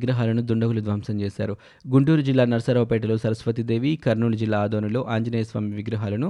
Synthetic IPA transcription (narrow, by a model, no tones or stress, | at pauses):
ɡɾɐɦaːlɐnud̪uɳɖɐɡulud̪ʋaːmsɐmt͡ʃeːsa̰ːɾu | ɡuɳʈuːɾud͡ʒilːaːnɐɾɐsɐɾɐʋɐpɛːʈ̬ɐlo̞ːsɐɾɐsʋɐt̪id̪e̞ːʋikɐɾnuːlɐd͡ʒilːaːd̪oːnɐlo̞ːʔaːɲd͡ʒɐneːjɐsʋaːmiʋiɡɾɐɦaːlɐnu